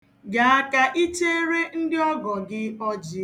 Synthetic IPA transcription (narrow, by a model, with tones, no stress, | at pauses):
ɡa˨˦a˦ka˦ʔi˦t͡ʃe˦e˦ɾe˦n̩˦dɪ˦ɔ˦ɡɔ˨ɡɪ˦ɔ˦d͡ʒɪ˦